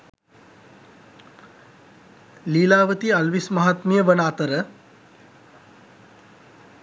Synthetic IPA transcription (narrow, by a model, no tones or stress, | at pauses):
liːlaːʋət̪iɐlʋismɐɦat̪mijəʋənaːt̪əɾə